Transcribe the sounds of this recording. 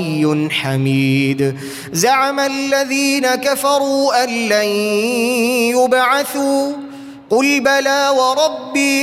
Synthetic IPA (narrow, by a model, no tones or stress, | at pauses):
jːʊnħamiːd̪ | zaʕamalːaðiːnakafɑɾˤuːʔalːaj | jʊbʕaθuː | qʊlbalaːwɑɾˤɑbːiː